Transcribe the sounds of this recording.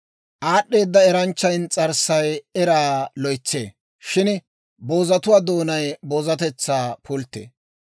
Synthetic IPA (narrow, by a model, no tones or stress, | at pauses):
ʔaːɗːe̞ːd̪ːɐɛɾɐnt͡ʃːɐjnt͡sʼɐɾsɐjɛɾaːlɔjt͡sːḛː | ʃɪn | bo̞ːzɐt̪ʊwaːd̪o̞ːnɐjbo̞ːzɐt̪ɛt͡sːaːpʰʊlt̪ːḛː